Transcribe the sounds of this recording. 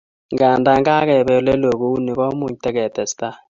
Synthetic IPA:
ŋɡaː˨nda˦ŋɡaː˦kɛ˨bɛ˦lɛ˦lo˨ku˦u˦ni˨kɔ˦mʊ˨ɲtɛ˦kɛ˨tɛ˨sta˦

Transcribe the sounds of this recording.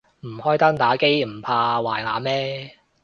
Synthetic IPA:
m̩˨˩hɔː˥jt̪ɐ˥ŋt̪aː˨˥ke˥jm̩˨˩pʰaː˧waː˨˩jŋa̰ː˨˥mɛː˥

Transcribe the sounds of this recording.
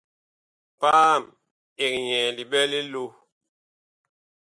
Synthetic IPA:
paː˦˨m | e˨k̚ɲɛ̃˨li˨bɛ˦li˦lo˦

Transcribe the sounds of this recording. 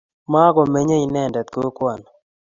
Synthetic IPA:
ma˦ɡɔ˨me˦ɲe˦i˨nɛ˦˨ndɛ˨t̪̚ko˦kwa˨n

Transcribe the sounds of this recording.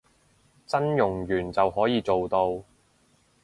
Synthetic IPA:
t͡sɐ˥njʊ˨˩ŋjyː˨˩nt͡sɐ˨wɦɔː˨˥jiː˨˧t͡so˨wt̪o˧w

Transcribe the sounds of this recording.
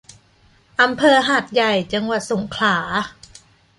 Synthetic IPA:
ʔa˧mpʰɤː˧ɦaː˨˩t̪̚ja˨˩jt͡ɕa˧ŋwa˨˩t̪̚so˩˦ŋkʰlaː˩˦

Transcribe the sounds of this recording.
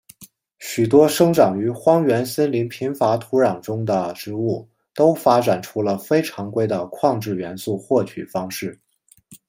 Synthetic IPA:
ɕy˨˩t̪̬wɔ˥ʂɤ˥ŋʈ͡ʂɑ˨˩ŋy˧˥xwɑ˥ŋɥɛ˧˥nsə˥nli˧˥ŋpʰi˧˥ŋfa˧˥t̪ʰu˧˥ɻɑ˨˩ŋʈ͡ʂʊ˥ŋd̪ə˨ʈ͡ʂɻ̩˧˥u˥˩ | t̪o˥ʊfa˥ʈ͡ʂa˨˩nʈ͡ʂʰu˥lə˨fe˥ɪʈ͡ʂʰɑ˧˥ŋkwe˥ɪd̪ə˨˩kʰwɑ˥˧ŋʈ͡ʂɻ̩˥˩ɥɛ˧˥nsu˥˧xwɔ˥˩t͡ɕʰy̰˨˩fɑ˥ŋʂɻ̩˥˩

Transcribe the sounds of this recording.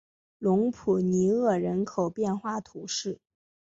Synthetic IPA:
lʊ˧˥ŋpʰu˨˩ni˧˥ɤ˥˩ɻə˧˥nkʰo˨˩ʊpjɛ˥˧nxwa˥˩t̪ʰu˧˥ʂɻ̩˥˩

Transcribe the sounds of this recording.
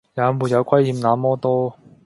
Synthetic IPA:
jaː˨˧muː˨˩t̚jɐ˨˧wkʰwɐ˥jhiː˨˩mnaː˨˥mɔː˥t̪ɔː˥

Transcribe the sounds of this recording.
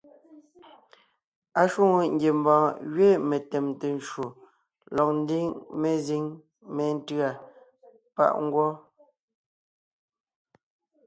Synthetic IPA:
a˨ʃwu˦˨ŋo˨ŋ̩ɡje˨m˦bãː˨ɣɥe˦me˨tɛ˨mte˨n˨ʃwo˨ | lɔ˨k̚n̩˦di˦ŋme˦zi˦ŋ | mɛ˨˦n̩˦tɰa˨ | pa̰˦ʔŋ˦ɡwɔ˦

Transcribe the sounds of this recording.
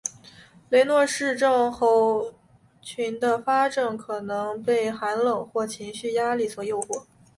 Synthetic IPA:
le˧˥ɪnwɔ˥˧ʂɻ̩˥˧ʈ͡ʂɤ˥˧ŋxo˧˥ʊ | t͡ɕʰy˧˥nd̪ə˧fa˥ʈ͡ʂɤ˥˩ŋkʰɤ˨˩nɤ˧˥ŋpe˥˩ɪxa˧˥nlɤ˨˩ŋxwɔ˥˩t͡ɕʰi˧˥ŋɕy˥˩ja˥li˥˩t͡sʰwɔ˧˥˦jo˥˧ʊxwɔ˥˩

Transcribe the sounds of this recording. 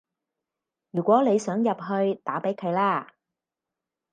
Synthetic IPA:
jyː˨˩kʷwɔː˨˥ne˨˧jsœː˨˥ŋjɐ˨p̚ɦɵ˧ɥt̪aː˨˥pe˨˥jkʰɵ˨˧ɥlaː˥

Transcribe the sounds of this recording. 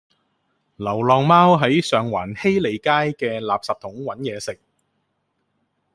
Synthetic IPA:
lɐ˨˩wlɔː˨ŋmaː˥wɦɐ˨˥jsœː˨ŋwaː˨˩nhe˥jle˨˧jkaː˥jkɛː˧laː˨p̚saː˨˩p̚t̪ʰʊ˨˥ŋwɐ˨˥njɛː˨˧sɪ˨k̚

